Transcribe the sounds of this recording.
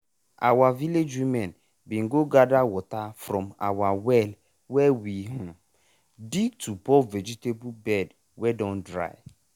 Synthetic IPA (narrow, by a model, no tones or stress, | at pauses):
a̰waviled͡ʒwimɛn | bĩŋɡoɡadawɔtafɾɔ̃mawawɛl | wɛwiɦũ | ditubɔvɛd͡ʒitebubɛd | wɛdɔ̃ndɾa̰ɪ